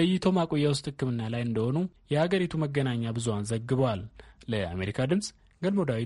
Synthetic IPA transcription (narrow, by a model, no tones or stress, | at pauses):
əjːɪt̪ʰo̞makʼojːawʊst̪ʼhɨkːɨmɨnːalajɨnd̪əho̞nujɛhaɡəɾit̪ʰuməɡːənaɲːabɨzuwanzəɡːɨβəwalːəʔa̰me̞ɾikʰad̪ɨmsʼ | ɡəlmod̪awi